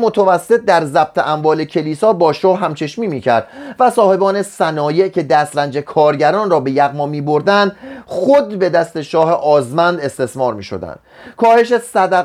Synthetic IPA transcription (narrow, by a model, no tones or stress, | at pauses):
mot̪ʰævæsːet̪̚d̪æɾzæb̥̚t̪ʰeʔæmvɒːlecʰe̞liːsɒːbɒːʃɒːhɦæmt͡ʃʰe̞ʃmiːmiːcʰæɾd̪̥væsɒːhe̞bɒːne̞sænɒːje̞ʔcʰe̞d̪æst̪ɾænd͡ʒe̞kʰɒːɾɟæɾɒːnrɒːbe̞jæɣmɒːmiːbo̞ɾd̪ænd̪xod̪be̞d̪æst̪e̞ʃɒːhe̞ʔɒːzmænd̪e̞st̪e̞smɒːɾmḭːʃo̞̰d̪æ̰nd̪kʰɒːhe̞ʃ̬e̞sæd̪æ